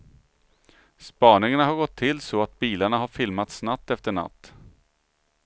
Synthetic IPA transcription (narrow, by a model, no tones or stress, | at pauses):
spɑːnɪŋaɳaɦaɾɡɔt̪ʰːɪlsɔat̪̚biːlaɳaɦaɾfɪlmat̪snat̪ːɛft̪əɳa̰t̪ː